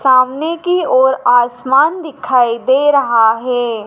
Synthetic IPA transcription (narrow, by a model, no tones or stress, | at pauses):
saːmnekiɔːɾaːsmaːnd̪ɪkʰaːid̪eːɾɐɦaɦɛː